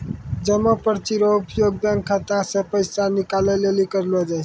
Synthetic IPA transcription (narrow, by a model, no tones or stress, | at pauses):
d͡ʒəmːəpəɾt͡ʃiɾoupjoɡ̚baŋkʰːət̪asepəɪsanikalelelikəɾlod͡ʒajʰ